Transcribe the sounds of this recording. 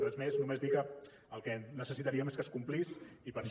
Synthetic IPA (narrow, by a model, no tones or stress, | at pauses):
t̪ozmeznumezd̪ikə | əlˠkɛnəsəsit̪aɾiəmeskəskumplisipəɾʃ